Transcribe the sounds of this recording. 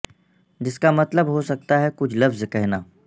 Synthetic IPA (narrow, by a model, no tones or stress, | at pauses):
d͡ʒɪskamɐt̪ləbɦosɐk̚t̪aɦɛkʊt͡ʃʰlɐfzkɛɦnaː